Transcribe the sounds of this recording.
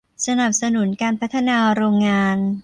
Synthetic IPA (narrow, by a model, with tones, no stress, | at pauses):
sa˧na˨˩p̚sa˧nu˩˦nkaː˧npʰa˦˥t̪ʰːa˧naː˧ɾoː˧ŋːaː˧n